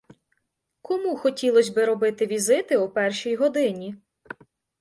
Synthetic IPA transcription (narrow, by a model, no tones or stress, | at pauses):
kɔmuxɔtʲilˠɔsʲbɪɾɔbɪt̪ɪʋʲizɪt̪ɪupɛrʃijɦɔd̪ɪnʲi